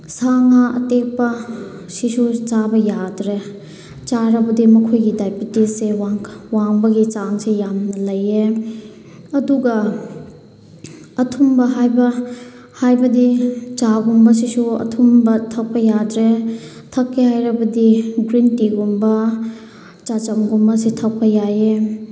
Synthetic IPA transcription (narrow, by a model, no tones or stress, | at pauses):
saŋaʔɐ̰tek̚pɐ | sisut͡ʃabɐjadɾe | t͡ʃaɾɐbɐdimɐkʰojɡidajpitisewaŋwaŋbɐɡit͡ʃaŋsejamnɐlɐje | ɐduɡɐ | ɐtʰumbɐɦajbɐ | hajbɐdit͡ʃaɡumbɐsisuɐ̰tʰumbɐtʰɐk̚pɐjadɾe | tʰɐkːihajɾɐbɐdiɡɾintiɡumbɐ | t͡ʃat͡ʃɐmɡumbɐsitʰɐk̚pʰɐjaje